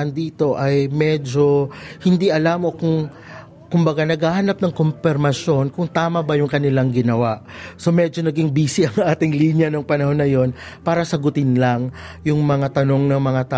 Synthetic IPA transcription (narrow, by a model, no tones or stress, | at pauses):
ɐnd̪iːt̪o̞ʔɐjmɛd͡ʒo̞hɪnd̪iʔɐlaːmo̞kʊŋ | kʊmbɐɡanɐɡahanap̚nɐŋkompɪɾmɐsjo̞nkʊŋt̪aːmɐbɐjʊŋkɐnɪlaŋɡɪnɐwaʔso̞mɛd͡ʒo̞nɐɡɪŋbiːsɪʔɐŋʔaːt̪ɪŋlinjɐnoŋpɐnɐho̞nːɐjo̞npaːɾɐsɐɡʊt̪ɪnlɐŋ | jʊŋmɐŋat̪ɐno̞ŋnɐŋmɐŋat̪a